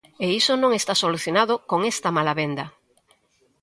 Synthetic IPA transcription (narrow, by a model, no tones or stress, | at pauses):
eisonõŋest̪asoluθjonaðokoŋest̪ɐmalaβend̪ɐ